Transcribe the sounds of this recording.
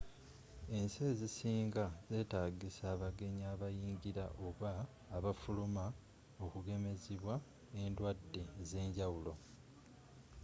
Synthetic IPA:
e̞nse̞ːzisiːŋɡaze̞ːtaːɡisaːβaɡe̞ɲaːβajiːɲɟiɾa̰ʔo̞βaː | βafuluma | o̞kuɡe̞me̞ziβwa | endwadːeze̞ːɲɟawulo̞

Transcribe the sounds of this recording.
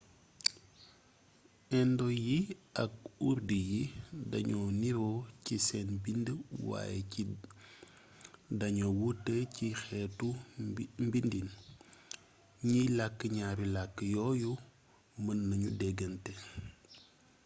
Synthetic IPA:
ɛndɔjiɐk̚uɾdijidɐɲɔniɾɔcisɛnbindəwa̰jɛi | dɐɲowutːəcixɛtu | mbindin | ɲilakːəɲaːɾilakːəjɔːju | mənːɐɲudɛɡɐntɛ

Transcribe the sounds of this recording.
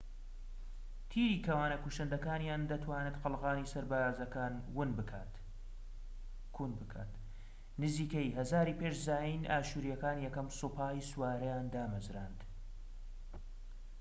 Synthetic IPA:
t̪ʰiːɾiːkʰɐwaːnɐkuʃɐnd̪ɐkaːnjaːnd̪ɐt̪ʰwaːnɨt̪qɨlˠʁaːnisɐɾbaːazɐkaːnwɨnbɨkʰaːt̪ | kʰunbɨkʰa̰ːt̪ | nɨziːkɐjɦɐzaːɾiːpeːʃzaːjinʔaːʃuːɾijɐkaːnjɛkɐmsupʰaːjswaːɾɐjaːnd̪aːmɐzɾaːnd̪

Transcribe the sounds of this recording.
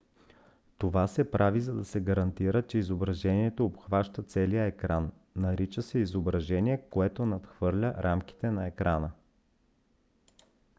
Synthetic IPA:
t̪ovasɛpɾʔavizɐd̪ɐsɛɡɐɾɐnt̪iɾət͡ʃɛizobɾɐʒɛniɛt̪oːpxvaʃt̪ət̪sɛlijəɛkɾanː | ɐɾit͡ʃəsɛizobɾɐʒɛniɛkoɛt̪onɐt̪xvɤɾlʲəɾʔamk̟i̥t̪ɛnɐɛkɾʔanə

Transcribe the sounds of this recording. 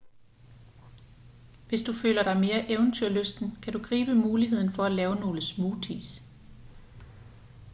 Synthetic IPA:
ʋe̝sd̥ufø̰ːlɐɾ̥ɑ̈ɪme̝ːɐʔeʊnt͡sʰyɐ̰løsd̥n̩kʰæd̥uɡ̥ʁḭːb̥əmuːliɦe̝ð̞̰ˠn̩fɒ̽ælɛːʊno̝ːləsmuːt͡sʰḭs

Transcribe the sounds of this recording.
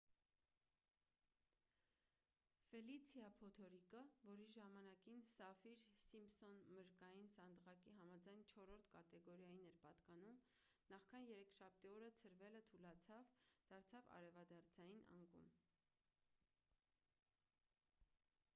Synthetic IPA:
fɛlit͡sʰjɑpʰɔt̪ʰɔɾikəvɔɾiʒɑmɑnɑkinsɑfiɾsimsɔnməɾkɑjinsɑnd̪ʁɑkiɦɑmɑd͡zɑjnt͡ʃʰɔɾɔɾt̪ʰkɑt̪ɛɡɔɾjɑjinɛɾpɑt̪kɑnum | nɑχkʰɑnjɛɾɛkʰʃɑp̚ʰt̪iɔɾət͡sʰəɾvɛlət̪ʰulɑt͡sʰɑvd̪̥ɑɾt͡sʰɑvɑ̰ɾɛvɑd̪ɑɾt͡sʰɑjinʔɑ̰ŋɡṵm

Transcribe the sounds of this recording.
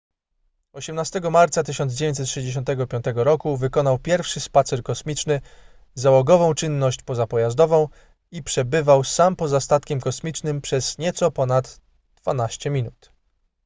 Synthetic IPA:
ɔɕɛmnast̪ɛɡɔmaɾt̪sat̪ɘɕɔnd̪zd͡ʑevʲjeɲt̪sɛt̪ʂɛʑd͡ʑeɕ̬ɔ̃nt̪ɛɡɔpʲjɔ̃nt̪ɛɡɔɾɔkuvɘkɔnawpʲjɛɾfʂɘspat̪sɛɾkɔsmʲit͡ʂnɘ | zawɔɡɔvɔ̃w̃t͡ʂɘnːɔɕt͡ɕpɔzapɔjazd̪ɔvɔ̃w̃ | ipʂɛbɘvawsampɔzast̪at̪kʲɛmkɔsmʲit͡ʂnɘmpʂɛzɲɛt̪sɔpɔnat̪ | d̪̥v̥anaɕt͡ɕɛmʲinut̪

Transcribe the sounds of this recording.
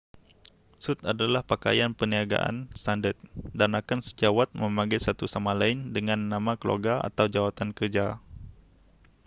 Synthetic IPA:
sut̪adalahpaka̰janpəniaɡa̰ʔa̰nst̪andət̪̚danakansəd͡ʒawat̪̚məmaŋɡajsat̪usamalaɪndəŋanːamakəlo̰ɡaa̰t̪awd͡ʒawat̪ankərd͡ʒa

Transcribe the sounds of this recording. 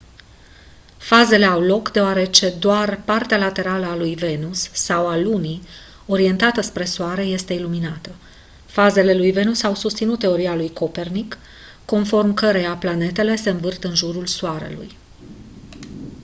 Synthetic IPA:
faze̞le̞awlo̞kd̪eoaɾe̞t͡ʃe̞d̪oarpart̪ealat̪e̞ɾaləalujve̞nusːawaluni | o̞ɾie̞nt̪at̪əspɾe̞soaɾe̞je̞st̪e̞iluminat̪ə | faze̞le̞lujve̞nusawsust̪sinut̪ːe̞o̞ɾialujko̞pe̞rnikː | o̞nfo̞rmkəɾe̞japlane̞t̪e̞le̞se̞ɨnvɨrt̪əɨnʒuɾulsoaɾe̞̰lṵj

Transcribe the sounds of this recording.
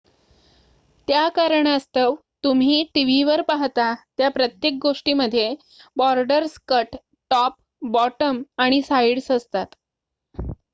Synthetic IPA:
t̪jakaɾəɳ̃əst̪əʋ | t̪um̤iːʈiʋ̤iʋəɾpaɦt̪at̪japɾət̪jek̚ɡoʂʈiːməd̪ʱːje | bɔɾɖəɾskəʈː | ɔp̚ | bɔʈəmaɽ̃isaiɽsəst̪at̪

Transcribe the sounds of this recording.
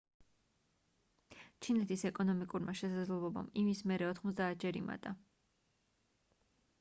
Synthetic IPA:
t͡ʃʰinɛt̪ʰisɛkʼɔnɔmikʼuɾmaʃɛsad̪zlɛblˠɔba̰mimismɛɾɛɔt̪ʰχmɔt̪s̬d̪aːt̪̚ʰd͡ʒaɾima̰t̪ʼa

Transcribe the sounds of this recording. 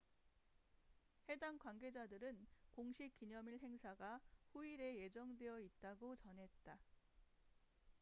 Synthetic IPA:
he̞daŋkwanɡe̞d͡ʑadɯɾɯnkoŋɕʰik͈iɲʌmiɭɦe̞ŋsʰaɡaɸuiɾe̞je̞d͡ʑʌŋdwe̞jʌit̚t͈aɡot͡ɕʌnɦe̞t̚t͈a

